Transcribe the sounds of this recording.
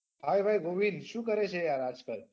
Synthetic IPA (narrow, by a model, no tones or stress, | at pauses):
bʱajbʱajɡoʋinʃũːkəɾet͡ʃʰejaɾad͡ʒkəɾ